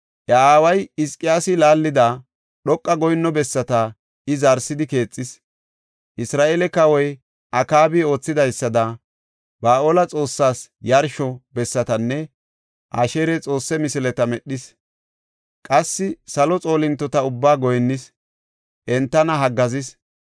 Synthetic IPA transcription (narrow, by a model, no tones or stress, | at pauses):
ʔɐaːwɐjɪskʼɪjaːsɪlaːlːɪd̪a | ɗɔkʼːɐɡɔjnːɔbɛsːɐt̪ɐ | ɪzɐɾsɪd̪ɪke̞ːt͡sʼːɪs | ʔɪsɾaːʔelɛkɐwɔj | ʔɐkaːbɪo̞ːt͡sːɪd̪ɐjsːɐd̪ɐ | b̥aːʔoːlɐt͡sʼo̞ːsːaːsjɐɾʃɔbɛsːɐt̪ɐnːɛ | ʔaːʃe̞ːɾɛt͡sʼo̞ːsːɛmɪsɪlɛt̪ɐmɛɗːɪs | kʼɐsːɪsɐlɔt͡sʼo̞ːlɪnt̪ːɔt̪ɐʊbːaːɡɔjnːɪs | ʔɛnt̪ːɐnɐɦɐɡːɐzɪs